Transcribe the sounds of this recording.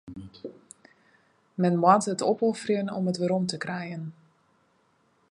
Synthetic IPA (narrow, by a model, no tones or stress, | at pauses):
mɛnmwatətɔpɔfərjənɔ̰mətʋəɾɔmtəkrɛjən